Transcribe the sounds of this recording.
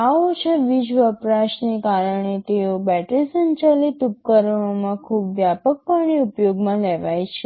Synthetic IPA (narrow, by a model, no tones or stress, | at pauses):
aot͡ʃʰeʋid͡ʒʋəpɾaʃnekaɾəɳ̃et̪eobɛʈɾisənt͡ʃalit̪up̚kəɾəɳ̃omãkʰubʋjapək̚pəɳ̃iupjoɡmãlɛʋajt͡ʃʰe